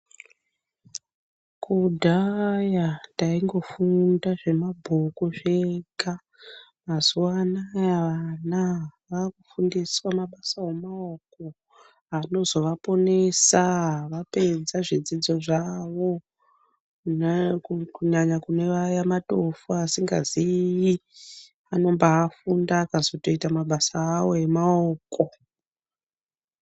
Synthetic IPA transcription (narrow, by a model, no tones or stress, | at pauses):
kudʱajataiŋɡo̞fundaʐe̞mabʱukuʐeka | mazuwanaaʋanaʋakufundiswamaɓasawemaoko | ano̞zo̞ʋapo̞ne̞saɦʋape̞d͡zaʐid͡zid͡zo̞ʐaʋo̞ | kuɲaɲakune̞ʋajamato̞fuasiŋɡa̰ziji | ano̞mbaːfundakazoto̞itamaɓasaːwo̞e̞maoːko